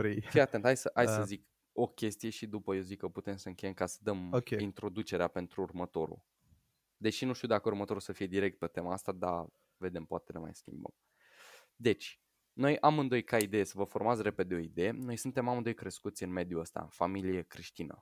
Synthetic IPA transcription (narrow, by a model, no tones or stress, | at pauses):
ɾejfijat̪ent̪ʰajsəʔajsəzik | o̞kʲe̞st̪ije̞ʃid̪upəjewzikːəput̪e̞msəɨŋkʲe̞jemkasə̥d̪əmokʲeint̪ɾo̞d̪ut͡ʃe̞ɾeape̞nt̪ɾuːrmət̪o̞ɾṵ | d̪e̞ʃinuʃt̪iud̪akəurmət̪o̞ɾusəfije̞d̪iɾe̞kt̪̚pe̞t̪e̞maast̪ad̪a̰ | ve̞d̪e̞mpoat̪elema̰jskʲḭmbə̰m | d̪e̞t͡ʃʲ | no̞jamɨnd̪o̞jkaid̪e̞je̞səvəfo̞rmat̪sʲre̞pe̞d̪eo̞id̪e̞je̞no̞jsɨnt̪e̞mamɨnd̪ojkɾe̞skut̪sʲɨnme̞d̪juəst̪a̰ɨnfamilijekɾiʃt̪inə̰